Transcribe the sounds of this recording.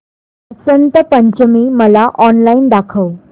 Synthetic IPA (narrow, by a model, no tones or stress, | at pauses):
əsənt̪əpəɲt͡ɕəmiːməlaʔɔnlaind̪akʰəw